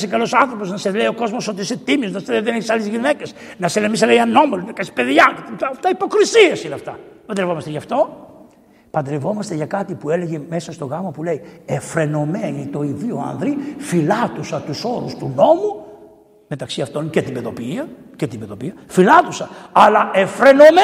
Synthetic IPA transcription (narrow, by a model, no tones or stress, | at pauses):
sekɐlo̞sɐnθɾo̞po̞znɐseleio̞ko̞zmosot̪iiset̪imioznɐseleðeneçisɐlezʝine̞ces | nɐselemis̬eleiɐno̞melunɐkɐsi̥pe̞ðʝɐket̪iɐft̪ɐipo̞kɾisiesineɐft̪ɐpɐnd̪ɾevomɐseʝɐft̪o̞ | pɐnd̪ɾe̞vo̞mɐst̪e̞ʝɐkɐt̪ipue̞le̞ʝe̞me̞sɐst̪oɣɐmɐpule̞iefɾe̞no̞menit̪o̞iðioɐ̰nðɾifilɐt̪usɐt̪uso̞ɾust̪uno̞mu | me̞t̪ɐksiɐft̪o̞ncet̪ibe̞ðo̞piiɐ | cet̪ibeðo̞piɐfilɐt̪usɐɐlɐefɾe̞no̞me